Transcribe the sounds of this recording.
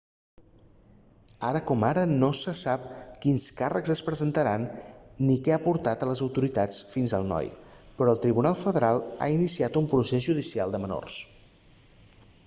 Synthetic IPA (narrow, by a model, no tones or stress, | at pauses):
aɾəkɔmaɾənosəsap̚kinskarəɡzəspɾəzənt̪əɾanːikɛapuɾt̪at̪ələzəwt̪uɾit̪at͡sfinzə̰lˠnɔ̰jpɾɔəlˠt̪ɾiβunalˠfəðəɾalˠa̰inisiat̪umpɾusezʒuðisialˠd̪əməno̰rs